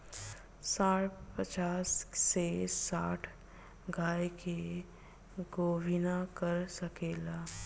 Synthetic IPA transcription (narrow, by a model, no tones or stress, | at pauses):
saːɽpət͡ʃaːsːesaːʈʰ | ɡaːjke | ɡoːbʱɪnakəɾsɐkeːlaː